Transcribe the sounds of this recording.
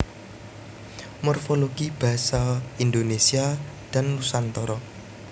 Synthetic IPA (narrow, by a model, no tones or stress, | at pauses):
mɔrfoloɡ̥ib̥a̤saind̪onesia | d̪̥a̤nlusant̪ɔɾɔ